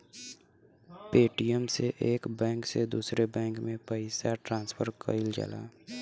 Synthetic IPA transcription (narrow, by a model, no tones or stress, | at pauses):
peːʈijəmseʔeːkbɛ̃ːŋksed̪uːsɾebɛ̃ːŋkmẽpəɪsaʈɾãːnspʰəɾkə̰ɪld͡ʒa̰ːla̰ː